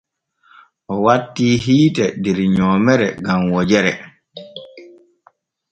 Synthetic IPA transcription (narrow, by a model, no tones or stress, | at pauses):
ʔɔwatːiːɦiːtɛdɛɾɲɔːmɛɾɛɡamwɔd͡ʒɛɾɛ